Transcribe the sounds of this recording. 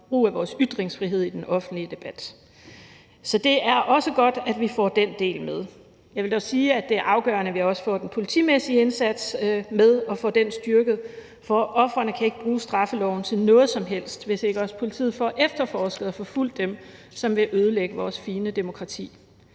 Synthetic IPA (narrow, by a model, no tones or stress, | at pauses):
b̥ʁṵːæʋɒːsyd̥ʁeŋsfʁiɦe̝ð̞̰ˠid̥enɒ̽fn̩dliəd̥e̝b̥æd̥ | sɒ̽d̥e̝æɐʔɒ̽səɡ̥ɒ̽d̥æd̥ʋifɒ̰ːd̥end̥e̝̰ːlmeð̞ˠ | jɑʋe̝ldɒsiːæd̥e̝æɐʔɑ̈ʊɡ̥ɶ̰ɐnəʋihɑɒ̽sə̥fɒ̰ːd̥enpʰo̝lit͡sʰḭmesiəe̝nsæd̥smeðˠɒ̽fɔ̰̽ːd̥ensd̥yɐɡ̥ð̞̩ˠ | fɒʔɒ̽fʁɐnəkʰæe̝ɡ̥əb̥ʁuːsd̥ʁɑ̈fəlɒʊn̩t͡sʰe̝lnɔ̽ːð̩ˠsɒ̽mɦel̰sd̥ʋe̝se̝ɡ̥əɒ̽sə̥pʰo̝lit͡sʰḭð̩ˠfɒ̰ːʔefd̥ɐfɒːsɡ̥ð̩ˠɒfɒ̽ful̰d̥ːem | sɒ̽mʋe̝ʔøːð̞ˠəleɡ̥əʋɒːsfiːnəd̥e̝mo̝kʰʁɑ̈t͡sʰḭː